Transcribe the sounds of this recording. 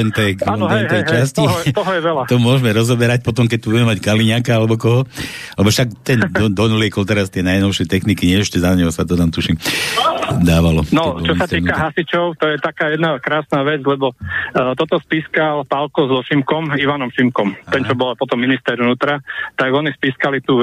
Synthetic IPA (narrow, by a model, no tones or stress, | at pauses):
t̪ɛnt̪ɛkat̪ɛnɦt̪ɛjɦt͡ʃascit̪ɔɦɔjɛʋɛlat̪ɔmʊɔʒmɛɾɔzɔbɛɾac̚pɔt̪ɔmk̬ɛc̚t̪ubuɟɛmɛmackaliɲakaalɛbɔkɔɦɔ | alɛbɔfʃakt̪ɛnd̪ɔd̪ɔnulɪɛkɔlt̪ɛɾast̪ɪɛnajnɔʊʃɪɛt̪ɛxnikiɲɪɛɛʃcɛzaɲɛɦɔsat̪ɔnaːmt̪uʃim | d̪aːʋalɔ̰nɔɔt͡ʃɔsat̪iːkaɦasit͡ʃɔʊt̪ɔjɛt̪akaːjɛd̪nakɾaːsnaːʋɛd͡zlɛbɔt̪ɔt̪ɔspiːskalpalkɔzɔʃimkɔmiʋanɔmʃimkɔmɛnt͡ʃɔbɔlapɔt̪ɔmːinist̪ɛɾʋnuːt̪ɾat̪aɡɔnispiːskalit̪u